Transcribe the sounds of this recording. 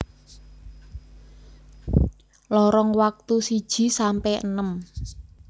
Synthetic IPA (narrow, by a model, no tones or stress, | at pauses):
lɔɾɔŋwak̚t̪usid̥ʒ̥i̤sampɛənəm